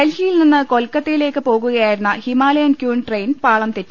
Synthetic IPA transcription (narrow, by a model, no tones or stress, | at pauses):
ɐlhijilninːɨko̞lkːɐt̪ːijile̞ːkːɨpo̞ːɣuɣɐjaːjiɾunːɐhimaːlɐjɐnkjuːɳʈrejnpaːɭɐmt̪etːu